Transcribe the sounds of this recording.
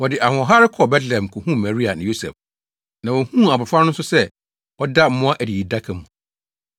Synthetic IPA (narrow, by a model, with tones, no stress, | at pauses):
wɔ˨dɪ˨ʔa˨hʊ̃˨ɔ˨ɦa˦ɾɪ˦kʰɔ˨bɛ˦tlɛ̃˨m˨kʰʊ˨hũ˦˨ma˨ɾi˦a˨nɪ̃˨jo˦sɛ̰˨f | nã˨wɔ˨hũ˦a˨bʊ˨fa˦nʊ̃˦n̩˦sʊ˦sɛ˦ | wɔ˦da˦m̩˦mʊ̃˦a˦ʔæ˨di˨ji˨da˦kʰã˨mũ˨